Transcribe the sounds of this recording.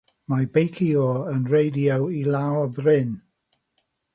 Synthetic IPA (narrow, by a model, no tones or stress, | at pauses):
mabejkʰioənrejdiowilaɔbrɪn